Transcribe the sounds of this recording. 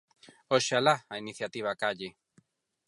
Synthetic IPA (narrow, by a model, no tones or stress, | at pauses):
oʃalaainiθjat̪iβ̞akaʎɪ